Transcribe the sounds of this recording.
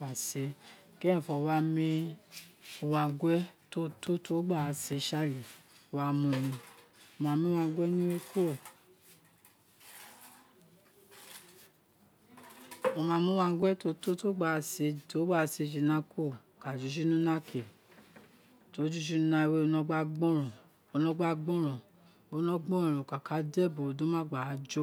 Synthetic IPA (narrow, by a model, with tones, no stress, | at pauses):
a˨se˨˦ | kɛ̃˦˨fɔ˧wa˦mĩ˧ | o˧wa˧ɡwɛ˦to˦to˦to˦ɡ͡ba˦˨˧se˨˧˦ʃa˦˨li˨o˨˧wa˦mũ˧nĩ˧o˧mãː˧mĩ˧˦wa˧˦ɡʷɛ˦nĩ˦we˦ko˦˨ | o˧mãː˧mĩ˦wa˧ŋ̩˦ɡɛ˦to˧˦to˦to˦ɡ͡ba˧˨se˨˧to˨˦ɡ͡ba˦˧˨se˨˧˨d͡ʒi˨nã˦kʰo˦˨ka˨d͡ʒu˨˦ʃ̬u˦nũ˦nã˦kʰe˨ | to˨˦d͡ʒu˦ʃ̬u˦nã˧we˦o˧nɔ̃˧˦ɡ͡ba˦ɡ͡bɔ̃˦ɾɔ̃˨ | o˧nɔ̃˧ɡ͡ba˦ɡ͡bɔ̃˦ɾ̃ɔ̃˨ | o˨˦nɔ̃˦ɡ͡bɔ̃˦ɔ̃˨ɾõ˨ka˨ka˨˦dɛ˦˨bo˨dõ˨˦mã˦˨ɡ͡ba˨a˨˧d͡ʒo˦